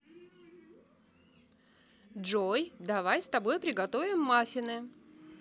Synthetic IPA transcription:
ʐojd̪ɐvajst̪ɐbo̞jpɾʲɪɡɐt̪o̞vʲɪmːafʲɪnɨ

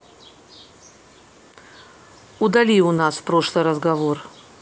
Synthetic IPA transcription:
ʊd̪ɐlʲiʊnaspɾoʂlˠɨjɾəzɡɐvor

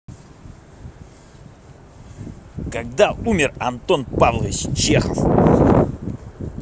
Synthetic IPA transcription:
kaɡ̚d̪aumʲɪrɐnt̪onpavlˠəvʲɪt͡ɕt͡ɕexəf

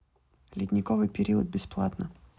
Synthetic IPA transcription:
lʲɪd̪ʲnʲɪkovɨjpʲɪɾʲiəd̪̚bʲɪsplˠa̰t̪nə

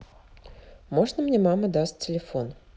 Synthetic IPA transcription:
mo̞ʐnəmnʲemaməd̪astʲt͡sʲɪlʲɪfo̞n

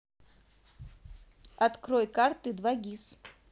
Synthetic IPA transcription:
at̪kɾɔjkart̪ɨd̪vaɡʲis

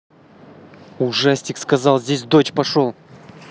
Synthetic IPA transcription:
uʐasʲtʲɪkskɐzɑlˠzʲdʲesʲd̪o̞t͡ɕpɐʂolˠ

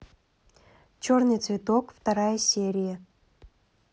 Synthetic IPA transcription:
t͡ɕornɨjt̪svʲɪt̪okft̪ɐɾajəsʲeɾʲɪjə

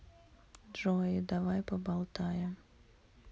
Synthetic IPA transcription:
dʐɔjid̪avajpɔbalˠt̪ajɛ

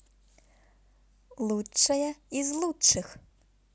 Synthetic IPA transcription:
lˠuɐjɐizlˠutːɨx

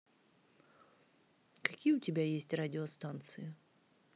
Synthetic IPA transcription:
kɐkʲijʊtʲɪbʲajesʲtʲradʲɪost̪ant̪sɨɪ

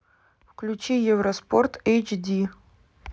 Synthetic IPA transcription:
fklʲut͡ɕijɛvɾɐsport̪ejt͡ʃd̪ʲi

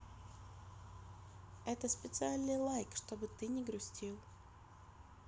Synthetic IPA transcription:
ɛt̪əspʲɪt̪sɨalʲnɨjlˠajkʂt̪o̞bɨt̪ɨnʲɪɡɾʊsʲtʲilˠ

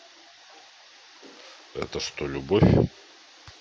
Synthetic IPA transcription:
ɛ̰t̪əʂt̪olʲʊbofʲ

